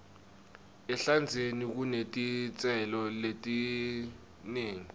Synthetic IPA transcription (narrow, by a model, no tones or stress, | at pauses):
ɛɬand͡zʱenik̬unetʼit͡sʼɛlɔletʼi | neːŋi